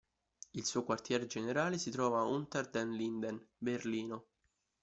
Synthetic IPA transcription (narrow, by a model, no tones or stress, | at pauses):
ilsuːkwart̪jɛːɾed͡ʒeneɾaːlesit̪ɾɔːvaunt̪ɛrd̪ɛnlind̪ɛnberliːno